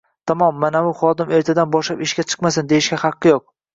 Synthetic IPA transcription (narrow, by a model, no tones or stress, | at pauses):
t̪ʰamɒmːanabʊχɒd̪ɪme̞ɾt̪ʰad̪anbɒʃlapɪʃɡʲat͡ʃʰɨ̥qmasɪnd̪e̞jɪʃɡʲaχɑqːɨjoq̚